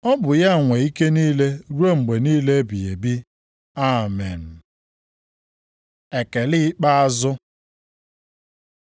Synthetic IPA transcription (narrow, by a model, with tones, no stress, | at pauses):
ɔ˦bʊ˨ja˦˨ŋʷe˨i˦ke˦niː˦le˦ɾu˦o˦ŋ͡m̩˨ɡ͡be˨niː˦le˦bi˨e˨bi˦ | a˦˨me˨n̩˨ | e˨ke˨li˦k͡pa˦a˦zʊ˦